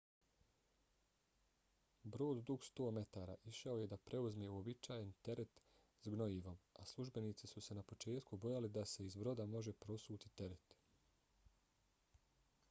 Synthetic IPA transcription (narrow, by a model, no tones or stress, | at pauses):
bɾo̞ːd̪d̪uɡst̪o̞ːme̞t̪aːɾa̰ʔiʃao̞je̞d̪apɾʔe̞uzmeuo̞bit͡ʃaːjent̪e̞ɾe̞t̪ | zɡno̞iːʋo̞maslˠuʒbe̞niːt̪sisuse̞napo̞t͡ʃe̞ːt̪kubo̞jalid̪ase̞izbɾo̞d̪amo̞ʒe̞pɾo̞suːt̪it̪e̞ɾet̪